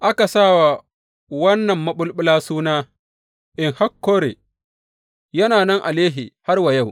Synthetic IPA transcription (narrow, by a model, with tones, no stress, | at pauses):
ʔa˦ka˨saː˦˨wa˨ | wɐ˦nːɐ˨mːɐ˦ɓʊ˦lɓʊ˦laː˦suː˦naː˦ | ʔɪ˨ŋha˦kːoː˦ɾḛː˨ | jɐ˦naː˨nɛ˦ŋʔa˨leː˦ɦi˨ha˦rwa˨ja˦˨w